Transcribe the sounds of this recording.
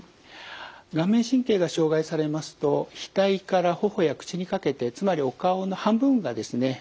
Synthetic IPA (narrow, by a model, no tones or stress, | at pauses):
ɡãmːẽ̞ɰ̃ɕĩŋke̞ːɡaɕo̞ːɡaisaɾe̞masɨ̥t̪o̞çi̥t̪aikaɾaho̞ho̞jakɯ̟̥t͡ɕiɲ̟ikake̞t̪e̞t͡sɨmaɾʲio̞kaono̞hãmbɯ̟̃ŋɡad̪e̞sɨne̞